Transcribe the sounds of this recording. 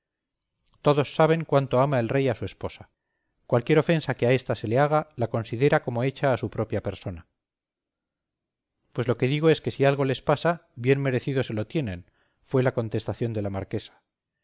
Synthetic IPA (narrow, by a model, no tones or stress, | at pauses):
t̪o̞ðo̞sːaβ̞e̞ŋkwant̪o̞amae̞lre̞jasue̞spo̞sḁ | kwalkjeɾo̞fe̞nsake̞ae̞st̪ase̞le̞aɣ̞alako̞nsiðe̞ɾako̞moe̞t͡ʃaːsupɾo̞pjape̞ɾso̞na | pwe̞zlo̞ke̞ðiɣ̞o̞e̞ske̞sialɣo̞le̞spasaβje̞nme̞ɾe̞θiðo̞se̞lo̞t̪je̞nẽ̞n | fwe̞lako̞nt̪est̪aθjo̞nd̪e̞lamaɾke̞sḁ